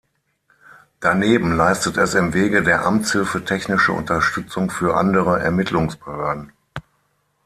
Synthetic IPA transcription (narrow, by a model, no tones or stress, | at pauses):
d̥aneːbm̩laɪstətɛsɪmveːɡədeːɐʔamt͡shɪlfətʰɛçnɪʃn̩ʔʊ̰ntɐʃtʏt͡sʊŋfyːɐʔa̰ndəʁəʔɛ̰ɐmɪtʰlʊŋsb̥əhøɐdn̩